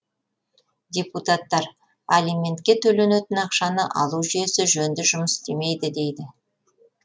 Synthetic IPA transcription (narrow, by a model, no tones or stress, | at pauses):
d̪ʲeput̪ɑt̪ːɑɾ | alijmʲe̞nt̪kʲe̞t̪ʰɵle̞net̪ɪnɑqʃɑnəʔɑ̰lˠuʒʏje̞sɪʒɵnd̪ɪʒʊməst̪e̞me̞jd̪ɪd̪e̞jd̪ɪ